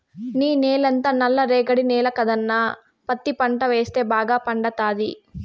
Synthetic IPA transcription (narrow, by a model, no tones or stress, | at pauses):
niːneːlɐnt̪ɐːnɐlːɐɾeːɡɐɽinɛːlɐkɐd̪ɐnːaː | pɐt̪ːipɐɳʈɐʋeːst̪e̞ːbaːɡaːpɐɳɖɐt̪aːd̪i